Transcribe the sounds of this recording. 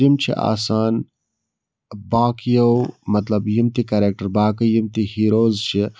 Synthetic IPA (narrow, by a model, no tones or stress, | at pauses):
imt͡ʃʰḭʔa̰ːsaːn | baːkjɐwmɐt̪lɐbjimt̪ikɐɾeːk̚ʈɐɾbaːkɐjimt̪ihiːɾoːzt͡ʃʰi